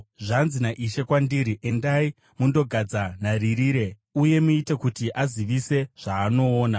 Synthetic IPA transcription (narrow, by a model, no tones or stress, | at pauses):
ʐanzinaʔiʃe̞kwandiɾiʔe̞ndai | mundo̞ɡʱad͡zanariɾiːɾe̞ | uje̞muite̞kutiʔaziʋise̞ʐ̥aːno̞ːna